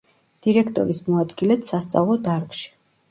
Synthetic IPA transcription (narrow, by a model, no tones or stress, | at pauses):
d̪̥iɾɛkʰt̪ʼɔ̰ɾismɔad̪ɡilɛt̪sast̪sʼa̰vlˠɔd̪aɾkʃi̥